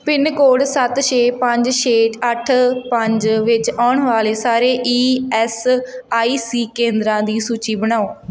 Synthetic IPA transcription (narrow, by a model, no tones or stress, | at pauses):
pɪnkoːɽsət̪ʃeːpəɲd͡ʒʃeːʈəʈʰpəɲd͡ʒʋɪt͡ʃaːʊɳʋaːleːsaːɾeːʔiːɛːsaːiːsiːkẽːnd̪ɾãːd̪iːsuːt͡ʃiːbəɽ̃aːoː